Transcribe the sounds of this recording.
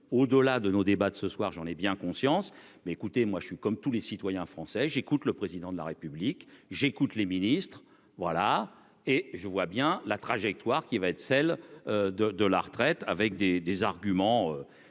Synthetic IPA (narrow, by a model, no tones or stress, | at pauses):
od̪əlad̪ənod̪ebad̪əsəswaʁʒɑ̃nɛbjɛ̃kɔ̃sjɑ̃s | mɛekut̪emwaʒəsɥikɔmt̪ulesit̪wajɛ̃fχɑ̃sɛʒekut̪ləpχezid̪ɑ̃d̪la̰ʁepyblikʒekut̪leminist̪χ | vwala | eʒəvwabjɛ̃lat̪χaʒɛk̚t̪waʁkʲivaɛt̪χsɛlød̪əd̪əla̰ʁt̪χɛt̪avɛk̚d̪ed̪ezaʁɡʲymɑ̃ø